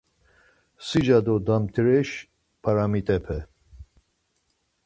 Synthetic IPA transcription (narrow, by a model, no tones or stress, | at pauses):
sid͡ʒad̪ɔd̪amt̪ʰɾɛʃ | pʰaɾamit̪ʼɛpʰɛ